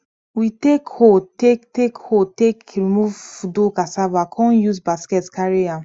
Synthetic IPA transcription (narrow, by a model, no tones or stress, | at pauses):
witekhotektekhotekɹimuvdokasavakʰɔ̃njusbaskɛtkaɹea